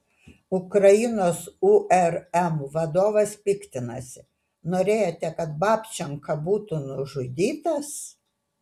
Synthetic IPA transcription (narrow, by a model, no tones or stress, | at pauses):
ʊkɾɐjɪnoːsuʔɛɾɛmʋɐd̪oːʋɐspʲɪkt̪ʲɪnɐsʲɪ | noːɾʲeːjot̪ʲɛkɐt̪bɑːpʲt͡ʃʲɛŋkɐbuːt̪ʊnʊʒʊd̪ʲiːt̪ɐs